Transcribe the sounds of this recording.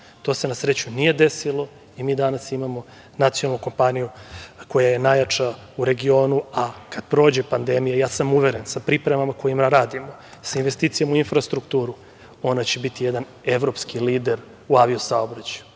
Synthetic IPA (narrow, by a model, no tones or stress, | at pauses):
t̪o̞ːse̞nasɾet͡ɕunije̞d̪e̞silo̞ | imiːd̪anasimamo̞ | nat̪sionalˠnuko̞mpanijuko̞jaje̞najat͡ʂa | uɾe̞ɡio̞ːnuakad̪̥pɾo̞ːd͡ʑe̞pand̪emijajaːsamuʋeɾensapɾipɾemamako̞jimaɾaːd̪imo̞sainʋest̪iːt̪sijamuinfɾast̪ɾukt̪uːɾu | o̞nat͡ɕe̞bit̪ijed̪an | e̞ʋɾo̞pskiliːd̪e̞ɾ | uaʋiusao̞bɾat͡ɕaju̥